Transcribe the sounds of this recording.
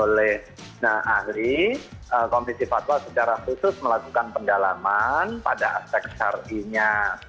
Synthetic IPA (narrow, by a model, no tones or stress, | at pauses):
olɛh | əahliəkomdisifat̪wasət͡ʃaɾahusʊsməlakukanpəndalamanpa̰daaspɛk̚sa̰riɲa